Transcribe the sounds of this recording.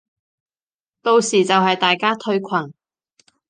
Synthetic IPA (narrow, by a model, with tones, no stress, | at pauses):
t̪o˧wsiː˨˩t͡sɐ˨whɐ˨jt̪aː˨jkaː˥t̪ʰɵ˧ɥkʷʰɐ˨˩n